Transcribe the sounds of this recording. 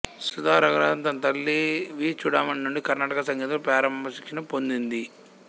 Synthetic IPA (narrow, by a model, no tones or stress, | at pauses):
sud̪aːɾɐɡɾaːnt̪ɐnt̪ɐlːiʋiːt͡ʃuɽaːmɐnnːuɳɖikɐɾnaːʈɐkɐsɐŋɡiːt̪̬ulupɾaːɾɐmbɐsikʂinɐpond̪ind̪i